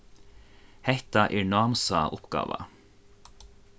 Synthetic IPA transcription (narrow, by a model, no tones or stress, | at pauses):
hɛht̪aʔɛːɹnɑːmsɑʔʊpɡ̥ɑ̰ːʋa̰